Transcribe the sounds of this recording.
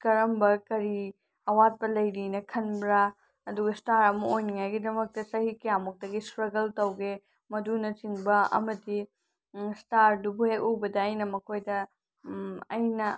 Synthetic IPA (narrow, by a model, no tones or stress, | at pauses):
kɐɾɐmbɐkɐɾi | ɐwat̚pɐlɐjɾinɐkʰɐnbɾa | ɐduɡɐstaɾɐmɐojniŋajɡidɐmɐk̚tɐsɐhikɐjamuk̚tɐɡistɾɐɡɐltɐwɡe | mɐdunɐt͡ʃiŋbɐɐ̰mɐdi | staɾdubuhek̚obɐdɐːjnɐmɐkʰojdɐ | ɐ̰jnɐ